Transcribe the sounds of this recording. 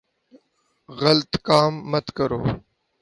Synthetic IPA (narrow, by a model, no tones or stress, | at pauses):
ɣɐlt̪kaːmːət̪kɐɾo̰ː